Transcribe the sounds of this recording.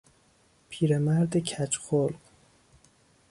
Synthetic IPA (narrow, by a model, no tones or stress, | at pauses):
pʰiːɾemæɾd̪ecʰæt͡ʃxolɢ